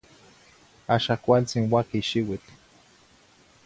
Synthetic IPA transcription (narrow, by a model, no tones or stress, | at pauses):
aʃakʷalt͡sinwakiʃiwit͡ɬ